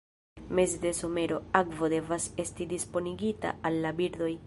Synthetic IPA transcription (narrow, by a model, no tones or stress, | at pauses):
me̞sde̞so̞me̞ɾo̞akvode̞vase̞stidispo̞niɡita̰alːabiɾd̪o̞j